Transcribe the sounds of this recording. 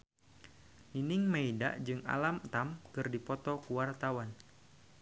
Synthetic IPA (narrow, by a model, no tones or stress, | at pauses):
ninɪŋmaida̰ʔd͡ʒɨŋa̰lamt̪amkɨrdipɔt̪ɔkuwart̪awan